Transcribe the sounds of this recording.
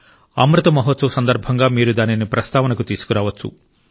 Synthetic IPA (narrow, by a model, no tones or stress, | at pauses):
ɐ̰mɾɐt̪ɐmɐɦɔt̪sɐʋɐsɐnd̪ɐɾbʱɐŋɡaːmiːɾud̪aːninːipɾɐst̪aːʋɐnɐkut̪iːsu̥kuɾaːʋɐt͡ʃːṵ